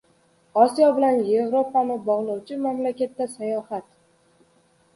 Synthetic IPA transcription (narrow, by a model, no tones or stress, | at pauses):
ɒsijɒbɪlanje̞vɾopanɪbɒʁlˠɒwt͡ʃʰɪmamlakʲat̪ːasajɒhat̪